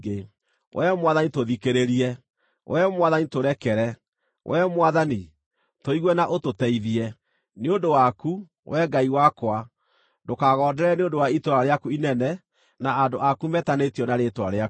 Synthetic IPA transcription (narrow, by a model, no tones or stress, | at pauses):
e | wʔɛmwaðanitoðikeɾeɾiɛ | wʔɛmwaðanitoɾɛkɛɾɛ | wʔɛmwaðani | toiɣwɛnaʔototɛiðiɛ | neondowaku | wɛɡaiwakwa | dokaɣɔːdɛɾɛneondowaitwaɾaɾeakuinɛnɛ | naadoʔakumɛtanetijɔnaɾetwaɾeak